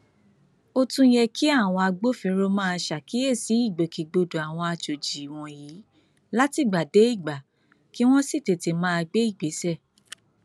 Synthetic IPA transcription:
o˧tũ˧jɛ˧kʰi˦a˦˨w̃ɔ̃˧a˧ɡ͡bo˦fĩ˨˧ɾo˧mãː˦a˧ʃa˨ki˦e˦˨si˨˦i˦˨ɡ͡be˨ki˨ɡ͡bo˧do˨a˨w̃ɔ̃˧a˧t͡ʃo˨d͡ʒi˨w̃ɔ̃˨ji˨˦ | la˦ti˦˨ɡ͡ba˨de˨˦i˦˨ɡ͡ba˨ | ki˦w̃ɔ̃˦si˦˨te˨te˨˧mã˦a˧ɡ͡be˦i˦˨ɡ͡be˨˦sɛ˦˨

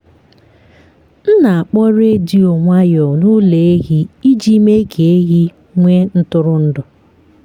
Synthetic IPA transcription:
n̩˦na˨a˨k͡pɔ˦ɾe˦di˦o˨ŋʷa˦jɔ˨nu˦le˨e˦ɣi˦i˦d͡ʒi˦me˦ke˨e˦ɣi˦ | ŋʷe˦n̩˦tʊ˦ɾʊ˦n̩˦dʊ˨

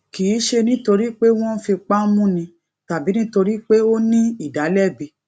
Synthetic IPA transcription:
ki˨i˨˦ʃe˧nĩ˦to˧ɾi˦k͡pe˦w̃ɔ̃˦fi˧k͡pa˦mũ˦nĩ˧ | ta˨bi˨˦nĩ˦to˧ɾi˦k͡pe˦o˦nĩ˦i˦˨da˨˦lɛ˦˨bi˧

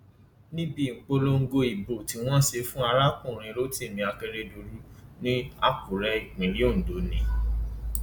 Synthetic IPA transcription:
nĩ˦bi˦˨k͡po˧lo˧ŋ̩˦ɡo˧i˨bo˨ti˧˦w̃ɔ̃˦ʃe˧fũ˦a˧ɾa˦kũ˦˨ɾ̃ĩ˧lo˦ti˦˨mĩ˧a˧ke˧ɾe˧do˧ɾu˦nĩ˦a˦˨kũ˨ɾɛ˦i˦˨k͡pĩ˨˦ɾi˦o˦˨n̩˨do˨˦nĩ˨˦

